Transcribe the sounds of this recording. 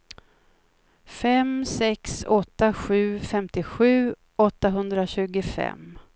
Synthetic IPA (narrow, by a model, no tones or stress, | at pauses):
fɛmsɛksɔt̪ːaɧʉ̟ːfɛmt̪ɪɧʉ̟ː | ʔɔt̪ːaɦɵnd̪ɾaɕʉ̟ːɡʊfɛ̰m